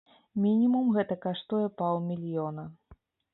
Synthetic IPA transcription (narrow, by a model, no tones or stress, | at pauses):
mʲinʲimumɣɛt̪ɐkaʂt̪ujɛpaw̪ˠmʲilʲjɔnɐ